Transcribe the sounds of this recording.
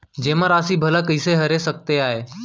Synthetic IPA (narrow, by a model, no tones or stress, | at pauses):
d͡ʒeːmãːɾaːsiːbʱəlaːkəɪseɦəɾeːsək̚t̪eaːɦeː